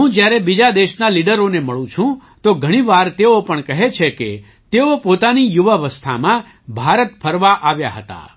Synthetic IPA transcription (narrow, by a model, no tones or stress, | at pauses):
ɦũd͡ʒjaɾebid͡ʒad̪eʃnaliɖəɾoneməɭũt͡ʃʰũt̪oɡʱəɽ̃iʋaɾt̪eopəɳkəɦet͡ʃʰeke | t̪eopot̪anijuʋəʋəst̪ʰa̰mã | bʱaɾət̪pʰəɾʋaʔaʋja̰ɦə̰t̪a̰